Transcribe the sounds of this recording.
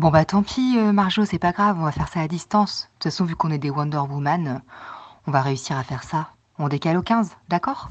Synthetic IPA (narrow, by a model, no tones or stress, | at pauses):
bɔ̃bat̪ɑ̃pʰiømaʁʒosɛpaɡʁavɔ̃vafɛʁsaːd̪ist̪ɑ̃st̪ut̪fasɔ̃vykɔ̃nɛd̪ewɑ̃d̪œʁbumanøɔ̃vaʁeysiʁafɛʁsa | ɔ̃d̪ekalokʲɛ̃zd̪akɔːʁ